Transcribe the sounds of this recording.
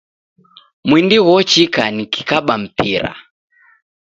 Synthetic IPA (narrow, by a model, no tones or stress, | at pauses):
mwindiɣɔt͡ʃikaniki̥kaɓam̩piɾa̰